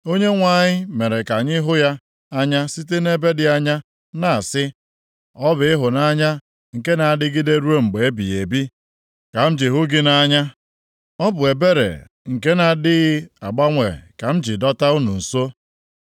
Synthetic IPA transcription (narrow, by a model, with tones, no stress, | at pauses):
o˦ɲe˦ŋʷa˨ɲɪ˦me˨ɾe˨ka˨ɲɪ˦ɦʊ˦ja˦ | a˦ɲa˦si˦t̬e˦ne˦be˦dɪ˨a˦ɲa˦ | na˨a˨sɪ˦ | ɔ˦bɪ˨ɪ˦ɦʊ˨na˦ɲa˦ | ŋ̩˨ke˦na˨a˨dɪ˦ɡɪ˦de˦ɾu˦o˦ŋ͡m̩˨ɡ͡be˨e˦bḭ˨e˨bi˦ | ka˨m̩˦d͡ʒi˨ɦʊ˦ɡɪ˦na˦ɲa˦ | ɔ˦bʊ˨e˨be˦ɾḛ˨ | ŋ̩˨ke˦na˨dɪ˦ɣɪ˦a˨ɡ͡ba˦ŋʷe˨ka˨m̩˦d͡ʒɪ˨dɔ˦ta˦u˦nu˨n̩˨so˦